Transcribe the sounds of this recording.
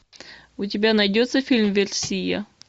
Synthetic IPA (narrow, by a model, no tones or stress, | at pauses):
ʊt̬ʲɪbʲanɐjdʲot̪səfʲilʲmvʲɪrsʲijə̰